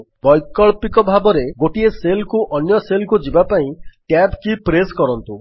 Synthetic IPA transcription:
bɔjkɔɭpikɔbʱabɔɾeɡoʈieselkuʔɔnjɔselkud͡ʒibapaĩʈabkipɾeskɔɾɔnt̪u

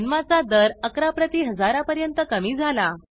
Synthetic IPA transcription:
nmat͡sad̪əɾəkɾapɾət̪iːɦəd͡zaɾapəɾjənt̪əkəmiːd͡zʱala

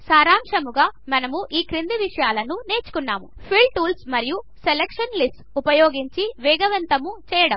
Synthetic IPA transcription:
saːɾaːmʂɐmuɡaːmɐnɐmuʔiːkɾind̪iʋiʂɐjaːlɐnune̞ːt͡ʃu̥kunːaːmu | pʰiɭʈuːlsmɐɾiju | selekʂɐnlisʈupɐjoːɡiɲt͡ʃiʋɛːɡɐʋɐnt̪ɐmut͡ʃɛːjɐɽɐm

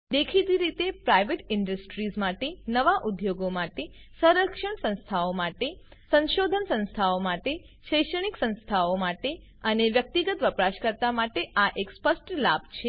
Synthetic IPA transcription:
d̪ekʰit̪iɾit̪epɾajʋeʈɪɳɖəsʈɾizmaʈenəʋaʔud̪joɡomaʈesəɾəkʃəɳsə̃nst̪ʰaomaʈesə̃nʃod̪ʱənsə̃nst̪ʰaomaʈe | ʃəjʃəɳ̃iksə̃nst̪ʰaomaʈe | əneʋjək̚t̪iɡət̪ʋəpɾaʃkəɾt̪amaʈeʔaʔekspəsʈlab̚t͡ʃʰe

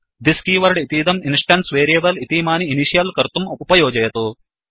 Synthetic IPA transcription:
d̪iskiːʋɐɾɖit̪iːd̪ɐminsʈɐnsʋeːɾieːbɐlit̪iːmaːniːniʃijɐlkɐɾt̪umupɐjɔːd͡ʒɐjɐt̪u

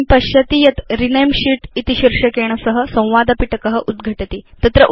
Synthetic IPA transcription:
pəɕjət̪ijɐt̪ɾinəjmɕiʈit̪iɕiɾʂəkeɳ̃əsəɦəsə̃w̃ʋad̪əpiʈəkəɦəʔud̪ɡʱəʈət̪it̪ɐt̪ɾəʔ

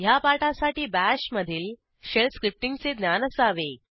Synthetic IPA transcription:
japaʈasaʈiːbæɕməd̪ʱiːl | ɕelskɾip̚ʈiŋɡt͡sed̪njanəsaʋe

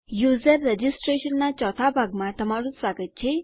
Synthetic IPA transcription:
juzərːed͡ʑisʈɾeɕənːat͡ɕɔt̪ʰabʱaɡmat̪əmaɾusaɡət̪̚t͡ɕʰe

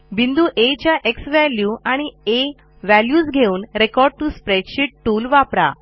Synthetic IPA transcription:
bind̪uːʔet͡ɕjaʔeksʋæljuʔaɽ̃ie | ʋæljuːsɡʱeuːnɾekɔɾɖ̚ʈuspɾeɖɕiʈʈuːlʋapɾa̰

